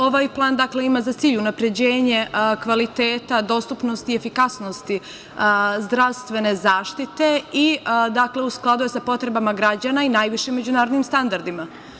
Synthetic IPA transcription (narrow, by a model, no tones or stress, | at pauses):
o̞ʋaːjplˠaːnd̪akle̞imazat̪siːʎunapɾe̞d͡ʑe̞ːɲe̞kʋalit̪eːt̪ad̪o̞st̪upno̞st̪ie̞fikasno̞st̪i | zd̪ɾaʋst̪ʋe̞ne̞zaːʃt̪it̪e̞id̪akle̞usklˠad̪ujesapo̞t̪ɾe̞bamaɡɾad͡ʑanainaːjʋiʃimːe̞d͡ʑunaːɾod̪nimst̪and̪aɾd̪ima